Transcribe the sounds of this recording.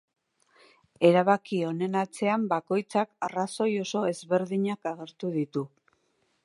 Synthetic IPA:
e̞ɾaβakio̞ne̞nat͡se̞ambako̞jt͡sakaraso̞jo̞so̞e̞zβe̞ɾðiɲakaɣe̞ɾt̪uðit̪u

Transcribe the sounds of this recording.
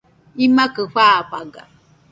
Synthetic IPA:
imãkəɸʷaɸaɡa̰

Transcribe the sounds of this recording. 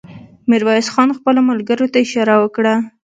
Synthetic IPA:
mɪɾwɑjɪsxɑnxpəlomalɡəɾot̪aɪʃɑɾawəkɽa

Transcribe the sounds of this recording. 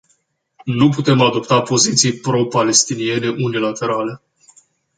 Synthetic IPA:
nuput̪e̞mad̪o̞pt̪apo̞zit̪sijpɾo̞pale̞st̪inie̞ne̞ʔunilat̪e̞ɾale̞

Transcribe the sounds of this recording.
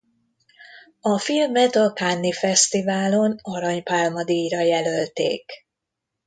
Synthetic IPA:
ɒfilmɛt̪ɒkanːifɛst̪ivaːlo̞nɒɾɒɲpaːlmɒd̪ijɾɒjɛlølt̪ḛːk

